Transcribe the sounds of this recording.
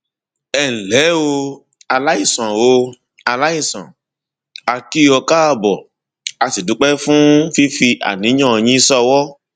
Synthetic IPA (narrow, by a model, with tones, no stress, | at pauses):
ɛ̃˨lɛ˨˦wo˧ | a˧la˦i˦˨sã˨wo˧ | a˧la˦i˦˨sã̰˨ | a˧ti˦ɔ˧ka˦a˧bɔ˨ | a˧si˨du˨˦k͡pɛ˦fũ˦fi˦fi˧a̰˨nĩ˨˦ã˦ɔ˧j̃ĩ˦sɔ˦˧wɔ˦